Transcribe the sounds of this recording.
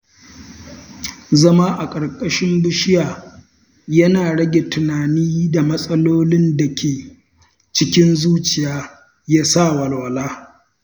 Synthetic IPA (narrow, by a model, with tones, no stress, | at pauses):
zɐ˦maː˦ʔa˨kʼɐ˨ɽkʼɐ˦ʃɪ˦mbʊ˦ʃɪ˦jaː˨ | jɐ˦naː˨ɽɐ˦ɡʲe˨tʊ˨naː˨niː˦da˨mɐ˦sʼɐ˦loː˦lɪ˦nda˨kʲʰeː˨ | t͡ʃɪ˦kʲɪ˦nzuː˦t͡ʃɪ˨jaː˦ | jaː˦sa˦˨wɐ˨lwɐ˨laː˦